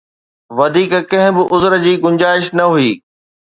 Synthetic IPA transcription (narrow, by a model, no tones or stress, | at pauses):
ʋɐd̪ʱiːkkɐ̃ɦɪ̃bɪʔʊzəɾəd͡ʑiːɡʊ̃ɲd͡ʑaːɪʃnɐɦuiː